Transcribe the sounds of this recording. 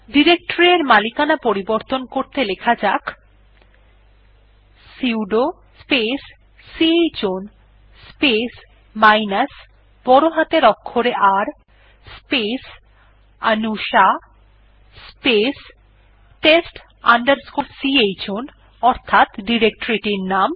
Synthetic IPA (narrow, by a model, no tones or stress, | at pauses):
ɖiɾek̚ʈoɾieɾmalikanapoɾiboɾt̪onkoɾt̪elekʰad͡ʑak | siwɖo | spesː | iejt͡ɕon | spes | majnas | b̥ɔɾoɦat̪eɾɔkʰːoɾeʔaɾ | spes | anuʃa | spes | ʈesʈ | aɳɖaɾskoɾsiejt͡ɕon | ɔɾt̪ʰat̪ɖiɾek̚ʈoɾiʈiɾnam